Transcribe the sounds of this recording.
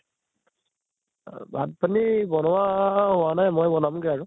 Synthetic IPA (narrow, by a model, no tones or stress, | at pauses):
bʱat̚panibɔnɔwaɦʊwanajmɔjbɔnamɡɛaɹu